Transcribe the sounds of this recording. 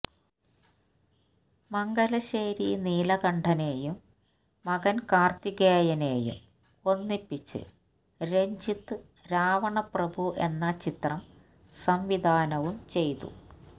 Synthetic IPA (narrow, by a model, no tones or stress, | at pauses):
mɐŋɡɐlɐɕeːɾiniːlɐɣɐɳɖʱɐne̞ːjumː | ɐɣɐnkaːrt̪iɡeːjɐneːjṵm | o̞nːipːit͡ɕːɨ̰ | ɾe̞ɲd͡ʑit̪ːɨ | ɾaːʋɐɳɐprɐbʱuʔe̞nːɐt͡ɕit̪rɐm | sɐmʋid̪ʱaːnɐʋumt͡ɕe̞jt̪ṵ